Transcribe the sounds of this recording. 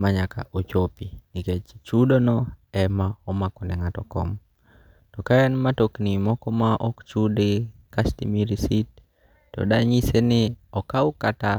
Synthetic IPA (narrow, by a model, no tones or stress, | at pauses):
maɲaka̰ʔot͡ʃopiniket͡ʃt͡ʃudonɔɛmaɔmakɔnɛŋatɔkɔ̰m | tɔkajanmatoknimɔkɔmaʔɔkt͡ʃudikastḭmiɾisit̚ː | ɔ̰daɲisenɪɔkaʊkata